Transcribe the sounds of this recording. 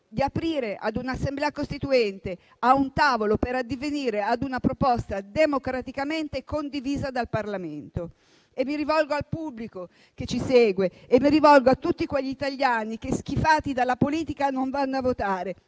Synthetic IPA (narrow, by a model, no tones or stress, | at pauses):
d̪iapɾiːɾeʔa̰d̪unasːemblɛːakost̪it̪uɛnt̪e | aunt̪aːvolopeɾad̪ːiveniːɾead̪unapɾopɔst̪ad̪emokɾat̪ikament̪ekond̪iviːzad̪alparlament̪o | emːiɾivɔlɡoalpubːliko | ket͡ʃːiseːɡweːmːiɾivɔlɡoat̪ːut̪ːikweʎːiːt̪aʎjaːnik̟esk̟ifaːt̪id̪alːapoliːt̪ikanoɱvanːavot̪aːɾe